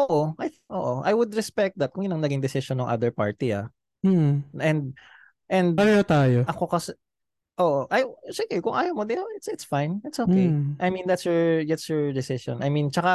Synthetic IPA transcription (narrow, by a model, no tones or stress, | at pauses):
ʔoːʔoʔajʔoːʔoʔa̰jwʊd̪ɾɛspɛk̚t̪̚d̪ɐt̪̚kʊŋjʊnɐŋnɐɡɪŋd̪ɪsɪʃonɐŋʔa̰d̪ɛɹpa̰ɹt̪ia̰ | ʔɛ̃nd̪̚ | ʔɛ̃nd̪̚paɾanat̪aːjoɐko̞kɐsɛ | ʔoːʔoʔajsiɡɛkʊŋʔajɐmod̪ɪʔawɪt̪sɪt̪sfãjnɪt̪sokejʔajmĩnd̪at̪sjɔɹd̪at̪sjɔɹd̪ɪsɪʃɔ̰̃nʔɐjmĩnt͡ʃɐka